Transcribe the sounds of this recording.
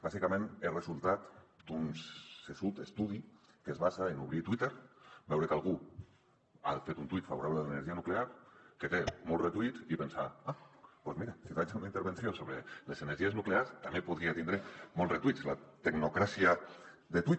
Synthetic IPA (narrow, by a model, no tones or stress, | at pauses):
bazikamẽnerezulˠt̪at̪d̪unsesut̪est̪uð̞i | kezβazaenuβɾit̪wit̪eɾbɛwɾekalɣu | a̰fet̪unt̪wit̪faβuɾaβleðeleneɾʒianukleaɾket̪emɔlret̪uit̪ipensa̰apwozmiɾasifat͡ʃunaint̪eɾβensjosoβɾeleseneɾʒieznukleaɾst̪amepuðɾiat̪ind̪ɾemolret̪uislat̪eɡnokɾasiaðet̪wi